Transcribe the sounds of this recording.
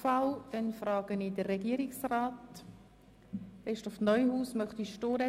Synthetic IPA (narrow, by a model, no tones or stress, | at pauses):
fawɛnfɾɑːɡ̥ənidərːɛɡiːəɾɪksraːt | ɪʃtɔfnɔʏhuːsmœχt̪iʃtoːɾə